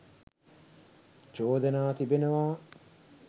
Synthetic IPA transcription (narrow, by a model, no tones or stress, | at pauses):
t͡ʃoːd̪ɐnaːt̪ibenɐʋaː